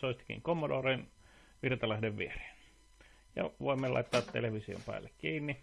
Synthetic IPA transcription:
soˑist̪i̥kḭŋkomːodoːrinʋirt̪ɑlæhdeʋʋiere̥ːn | jɑ̰ʋoimːelɑ̰it̪ːɑːt̪t̪ḛleʋisio̰mpæ̰ːlːekkiːnːi

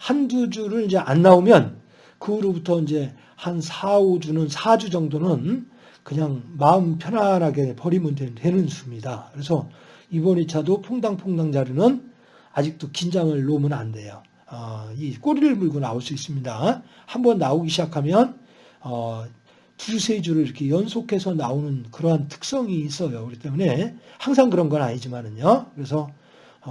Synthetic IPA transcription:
handud͡ʑuɾɯɭind͡ʑe̞ʔanːaomjʌn | kɯɡɾobutʰʌind͡ʑe̞ | hansʰaod͡ʑunɯnsʰad͡ʑud͡ʑʌŋdonɯn | kɯɲaŋmaɯmpʰjʌnɦanɦaɡe̞pʌɾimundetwe̞nɯnsʰumɲidakɯɾe̞s̬ʰʌibʌɲit͡ɕʰadopʰoŋdaŋpʰoŋdaŋd͡ʑaɾɯnɯn | ad͡ʑik̚t͈okind͡ʑaŋɯɭːomɯnande̞jo | ʌik͈oɾiɭmuɭɡonaoɭs͈uis͈ɯmɲida | hambʌnːaoɡiɕʰid͡ʑakʰamjʌn | ʌ | tusʰe̞d͡ʑuɾɯɭiɾʌkʰe̞jʌnsʰokʰe̞sʰʌnaonɯnkɯɾʌɦantʰɯ̥k̚s͈ʌŋiːs͈ʌjoɯɡit͈emune̞haŋsʰaŋɡɯɾʌnɡʌnaɲid͡ʑimanɯɲokɯɾe̞s̬ʰʌ

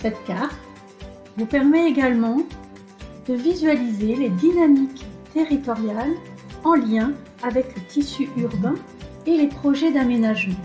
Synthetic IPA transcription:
sɛt̪kʲaʁt̪ | vupɛʁmɛeɡalmɑ̃ | d̪̥əvizɥalizeled̪inamikt̪eʁit̪ɔʁjalɑ̃ljɛ̃ | avɛklət̪ʰisyʔyʁbɛ̃ | elepχɔʒɛd̪amenaʒmɑ̃

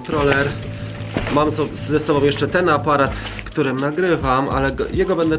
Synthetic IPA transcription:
t̪ɾɔlɛɾ | mamsɔ | zɛsɔbɔ̃w̃jɛʂt͡ʂɛt̪ɛnapaɾat̪ | kt̪uɾɘmnaɡɾɘvamʔa̰lɛɡɔjɛɡɔbɛnd̪ɛ

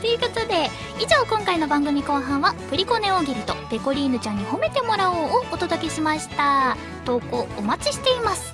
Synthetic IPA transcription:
t̪ojɯ̟ːko̞t̪o̞d̪e̞ | iʑo̞ːkõŋkaino̞bãŋɡɯ̟mʲiko̞ːɦãɰ̃βaɸɯ̟ɾʲiko̞ne̞oɡʲiɾʲɯ̟t̪o̞̰pe̞ko̞ɾʲiːnɯ̟t͡ɕãɲ̟ːiho̞me̞t̪e̞mo̞ɾaoːt̪o̞d̪o̞ke̞ɕimaɕi̥t̪a | t̪o̞ːko̞ːomat͡ɕiɕi̥t̪e̞imasɨ̥

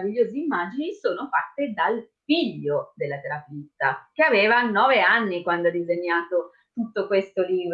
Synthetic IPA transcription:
viʎːoːziimːaːd͡ʒinisoːnofat̪ːed̪alfiʎːod̪elːat̪eɾapit̪ːak̟eaveːvanɔːveanːikwand̪oad̪izeɲːaːt̪o | t̪ut̪ːokwest̪oliːbɾ

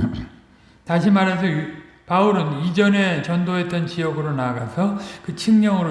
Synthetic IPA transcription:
taɕʰimaɾe̞s̬ʰʌ | pauɾɯnid͡ʑʌne̞t͡ɕʌndoɦe̞t͈ʌnt͡ɕijʌɡɯɾonaɡasʰʌkɯt͡ɕʰiŋɲʌŋɯɾo

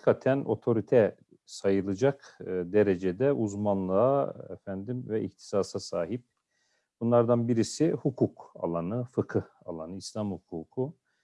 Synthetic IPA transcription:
kʰat̪ʰænʔo̞t̪ʰo̞ɾit̪ʰɛ | sajɯlˠɯd͡ʒakd̪eɾed͡ʒed̪ɛʔuzmanlˠɯaḛfænd̪imvɛʔḭht̪ʰi̥saːsasaːɦip̚ | b̥unlˠaɾd̪anbiɾisihukʰuka̰lˠanɯfɯkʰɯha̰lˠanɯislʲˠamhukʰuːkʰu

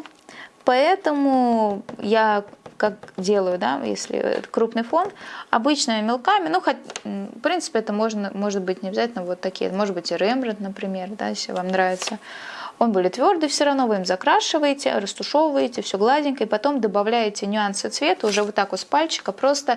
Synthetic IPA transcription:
pɐɛt̪əmʊjakak̚dʲe̞lˠəjʊd̪a̰jḛsʲlʲɪ̰t̪kɾupnɨjfo̞nɐ̰bɨt͡ɕnəjəmʲɪlˠkamʲɪnuxətʲfpɾʲint̪sɨ̥pʲɪɛt̪əmo̞ʐnəmo̞ʐɨt̪̚bɨtʲnʲɪɐbʲɪzatʲɪlʲnəvo̞t̪ːɐkʲijə̰mo̞ʐɨd̪̚bɨtʲɪɾɛmʐɨt̪nəpɾʲɪmʲe̞rd̪a̰jesʲl̰ʲvamnɾavʲɪt̪səo̞nbudʲɪt̪ːvʲo̞rd̪ɨfsʲɪɾɐvnovɨimzɐkɾaʂɨvəjɪtʲɪ̰rəst̪ʊʂo̞vəjɪtʲɪfsʲoɡlˠadʲɪnʲkəipɐt̪o̞md̪əbɐvlʲæjɪtʲɪnʲʊansɨt̪svʲe̞t̪əʊʐɛvot̪ːakvot̪spalʲt͡ɕɪ̥kəpɾo̞st̪ə

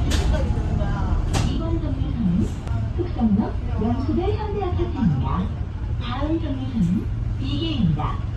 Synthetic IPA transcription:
ibʌnd͡ʑʌŋːisʰʌnɯn | tʰɯk̚s͈ʌŋɲʌk̚jʌŋsʰudɯɭçjʌnbiat͡ɕʰat͡ɕʰinida | paɾɯnd͡ʑʌŋisʰʌnɯnpiɡeimɲida

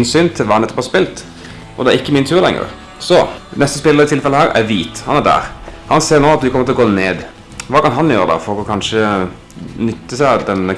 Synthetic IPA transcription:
nsyːnt̪ʰɪlʋɑːhɑnɛt̪ːɔphɑspɪlt̪ | ʔɔ̰d̪ɛæɾɪkːəmɪnt̪ʰʉːɾlɛ̰ŋːə̰ɾ | sɔnɛst̪əspɪləəɪt̪ʰɪlfɛləhæːɾæ̰ɾʋiːt̪hɑnæd̪æ̰ːɾhɑnseːɾnoːɑt̪ʋ̪ɪkʰɔmət̪ɪɔɡoːneːd̪ | ʋɑːkɑnɦɑnjøːɾəd̪ɑ̰fɔɾɾɔkʰɑnʂə | nʏt̪ːəsæɪd̪ɛnə

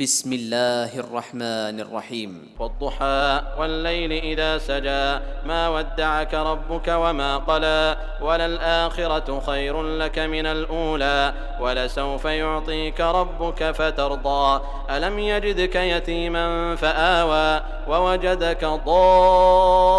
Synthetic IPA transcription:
bɪsmɪlːaːhʔɑ̰rˤːɑħmaːnʔɑ̰rˤːɑ̰ħiːm | wɑd̪ˤːʊħaːʔwalːajlɪʔɪðaːsad͡ʒaːmaːwad̪ːaʕakaɾˤɑbːʊkawamaːqɑlaː | walalʔaːxɪɾɑ | xajɾʊlakamɪnalʔuːlaː | walasawfajʊʕt̪ˤiːkaɾˤɑbːʊkafat̪ɑɾˤd̪ˤɑː | ʔalamjad͡ʒɪd̪kajat̪iːmanfaʔaːwaː | wawad͡ʒad̪akad̪ˤɑː

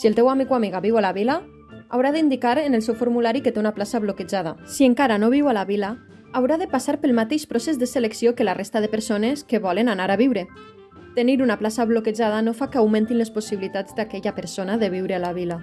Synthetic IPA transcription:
siəlˠt̪ɛwamikwamiɣaβiwalaβila | awɾaðind̪ikaɾenelˠsɛwfoɾmulaɾiket̪eunaplasaβloked͡ʒað̞asieŋkaɾanoβ̞iwalaβilaː | wɾaðepasaɾpəlˠmat̪eʃpɾosezðəseleksiokəlarest̪aðepəɾsoneskeβɔlənanaɾaβiwɾe | t̪eniɾunaplasaβlokeʒað̞anofakeawmẽnt̪inlesposiβilit̪ad͡zd̪akɛʎapəɾsonaðeβ̞iwɾealaβila

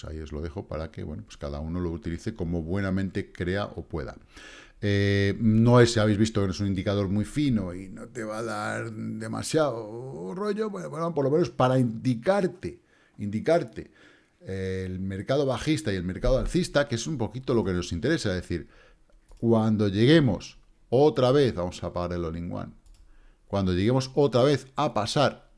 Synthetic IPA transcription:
sa̰io̞zlo̞̰ðe̞xo̞pa̰ɾakḛβwe̞̰nopwe̞skaða̰uno̞lo̞ut̪iliθe̞ko̞mo̞βwe̞namẽnt̪e̞kɾe̞a̰ʔo̞̰pwe̞ða̰ | eno̞e̞saβejzβist̪o̞kenoes̬unĩnd̪ikaðo̞ɾmwijfino̞inot̪e̞βaðaɾd̪e̞ma̰sjaoro̞ʝobwenopopoɾlo̞me̞no̞spaɾaind̪ikaɾt̪e | ind̪ikaɾt̪e | elme̞ɾkaðo̞βaxist̪aie̞lme̞ɾkaðoaɾθist̪akeesumpo̞kit̪o̞lo̞ke̞no̞sint̪e̞ɾe̞saðe̞θiɾ | kwand̪o̞ʝe̞ɣ̞e̞mo̞̰s | o̞t̪ɾaβe̞θβamo̞sapaɣaɾe̞lo̞liŋɡwa̰n | kwand̪o̞ʎe̞ɣe̞mo̞so̞t̪ɾaβ̞e̞θapasaɾ

